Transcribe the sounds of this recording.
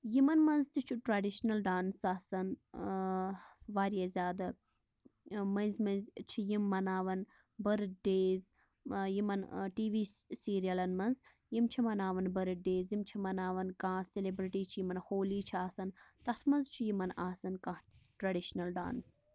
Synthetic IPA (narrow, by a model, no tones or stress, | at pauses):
jimɐnmɐnzt̪it͡ʃʰuʈɾɐɖiʃnɐlɖaːnsaːsɐn | ʋaːɾijɐzʲaːd̪ɐ | mɐnzmɐnzt͡ʃʰijimːɐnaːʋɐn | bɐɾɨɖeːz | jimɐnʈiːʋiːsiːɾijɐlɐnmɐnz | jimt͡ʃʰimɐnaːʋɐnbɐɾɨɖeːzjimt͡ʃʰimɐnaːʋɐnkãːselibɾiʈiːt͡ʃʰijimɐnhoːliːt͡ʃʰiaːsɐnt̪ɐt̪ʰmɐnzt͡ʃʰijimɐnaːsɐnkãːʈɾɐɖiʃnɐlɖa̰ːns